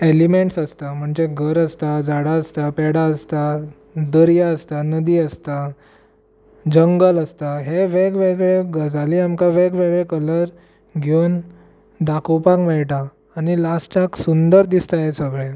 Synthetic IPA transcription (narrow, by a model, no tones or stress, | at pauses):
elimeɳʈsəst̪am̤əɳd͡ʑeɡʱəɾəst̪ad͡zaɽaəst̪apɛɽaəst̪a | d̪əɾjaəst̪anəd̪iəst̪a | d͡ʑəŋɡələst̪aɦeʋeɡʋeɡɭeɡəd͡zaliamkaʋekʋeɡɭekələɾ | ɡʱewn | d̪akəwpãkmɛɭʈaː | nilasʈaksund̪əɾd̪ist̪ajesəɡɭe